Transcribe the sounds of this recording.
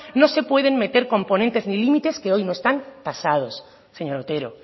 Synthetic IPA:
no̞se̞pwe̞ð̞e̞nme̞t̪eɾko̞mpo̞nent̪e̞znilimit̪e̞skeo̞jno̞est̪ant̪asað̞o̞s | se̞ɲo̞ɾot̪e̞ɾo

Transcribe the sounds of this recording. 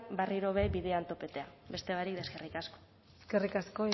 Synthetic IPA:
bariɾo̞βeβið̞eant̪o̞pe̞t̪e̞abe̞st̪e̞βaɾikd̪e̞ske̞rikasko̥ | skerikasko̞

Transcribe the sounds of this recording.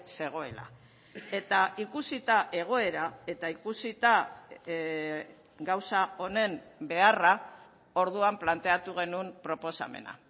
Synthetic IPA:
se̞ɣ̞o̞e̞la̰ | e̞t̪aikusit̪aʔe̞ɣ̞o̞e̞ɾae̞t̪aikusit̪a | ɡawsao̞ne̞mbe̞ara | o̞ɾðuamplant̪e̞at̪uɣ̞e̞numpɾo̞po̞sa̰me̞̰na̰

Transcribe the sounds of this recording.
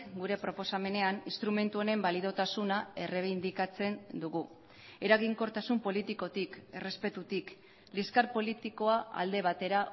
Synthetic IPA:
ɡuɾe̞pɾo̞po̞same̞ne̞aninst̪ɾume̞nt̪uone̞mbalið̞o̞t̪asunae̞re̞β̞ind̪ikat͡se̞nd̪uɣu | e̞ɾaɣiŋko̞ɾt̪asumpo̞lit̪iko̞t̪ike̞re̞spe̞t̪ut̪ik | liskaɾpo̞lit̪iko̞aa̰ld̪e̞β̞at̪e̞ɾa

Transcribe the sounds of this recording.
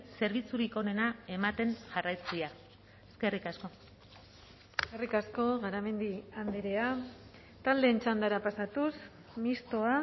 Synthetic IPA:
se̞ɾβ̞it͡suɾiko̞ne̞nae̞mat̪e̞nʝarajt͡sia | eske̞rikasko̞ | eskerikasko̞ɣaɾame̞nd̪iand̪eɾea | t̪ald̪eːnt͡ʃand̪aɾapasat̪us | mist̪o̞a

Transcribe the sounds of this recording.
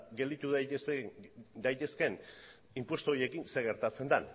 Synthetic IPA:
ɡe̞ld̪it̪uð | d̪ajt̪e̞ske̞n | impwe̞st̪oje̞kinse̞ɣe̞ɾt̪at͡se̞nd̪an

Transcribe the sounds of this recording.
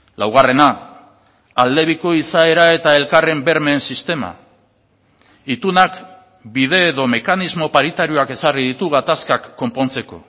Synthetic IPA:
lawɣ̞are̞naː | ld̪e̞βiko̞isae̞ɾae̞t̪ae̞lkare̞mbe̞ɾme̞ːnsist̪e̞ma̰ | it̪unak | biðe̞ːðo̞me̞kanizmo̞paɾit̪aɾio̞ake̞sariðit̪uɣ̞at̪askakːo̞mpo̞nt͡se̞ko̞̰

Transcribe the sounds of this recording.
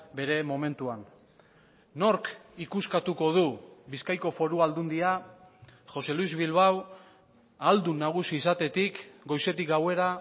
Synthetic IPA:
be̞ɾe̞mo̞me̞nt̪uan | no̞ɾkikuskat̪uko̞ð̞uβiskajko̞fo̞ɾuald̪und̪ia | ʝo̞se̞luizβilβaw | ald̪unːaɣ̞usiːsat̪e̞t̪ikɡo̞jse̞t̪ikɡawe̞ɾa

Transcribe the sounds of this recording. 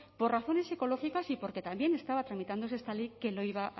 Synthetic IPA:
po̞raθo̞ne̞se̞ko̞loxikasipo̞ɾke̞t̪ambje̞ne̞st̪aβ̞at̪ɾamit̪and̪o̞seest̪alejke̞loiβaʔ

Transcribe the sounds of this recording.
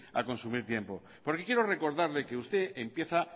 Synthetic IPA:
a̰ko̞nsumiɾt̪je̞mpo | po̞ɾke̞kje̞ɾore̞ko̞ɾðaɾlekeust̪e̞ʔempje̞θa

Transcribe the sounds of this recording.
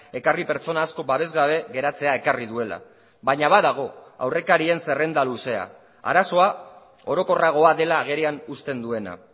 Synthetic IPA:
e̞karipe̞ɾt͡so̞naːsko̞baβe̞zɣaβ̞e̞ɣe̞ɾat͡se̞aekariðue̞la̰ | βaɲaβaðaɣ̞o̞a̰wre̞kaɾie̞nse̞re̞nd̪aluse̞a̰ | a̰ɾaso̞a | o̞ɾo̞ko̞raɣ̞o̞aðe̞laːɣ̞e̞ɾeanust̪e̞nd̪ue̞na̰

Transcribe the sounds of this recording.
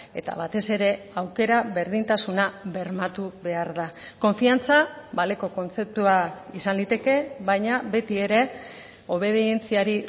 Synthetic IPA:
e̞t̪a̰βat̪e̞se̞ɾe̞ | awke̞ɾaβe̞ɾðint̪asunaβe̞ɾmat̪uβe̞aɾðako̞ɱfiant͡saβale̞ko̞ko̞nt͡sep̚t̪uaisanlit̪e̞ke̞βajɲaβe̞t̪ie̞ɾe̞ | o̞βe̞ðie̞nt͡siaɾi

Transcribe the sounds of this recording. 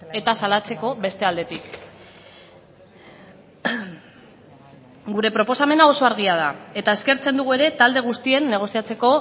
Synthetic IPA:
e̞t̪asalat͡se̞ko̞βe̞st̪e̞ald̪e̞t̪ik | ɡuɾe̞pɾo̞po̞same̞nao̞so̞aɾɣiað̞ae̞t̪ae̞ske̞ɾt͡se̞nd̪uɣ̞ue̞ɾe̞t̪ald̪e̞ɣ̞ust̪ie̞nːe̞ɣ̞o̞siat͡se̞ko̞

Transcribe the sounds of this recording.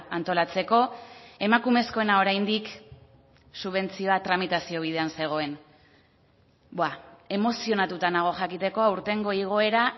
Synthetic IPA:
ant̪o̞lat͡se̞ko̞e̞makume̞sko̞e̞nao̞ɾajnd̪ik | suβ̞e̞nt͡sio̞at̪ɾamit̪asio̞β̞ið̞e̞anse̞ɣ̞o̞e̞n | boae̞mo̞sio̞nat̪ut̪anaɣ̞o̞xakit̪e̞ko̞auɾt̪e̞ŋɡo̞iɣ̞o̞e̞ɾa

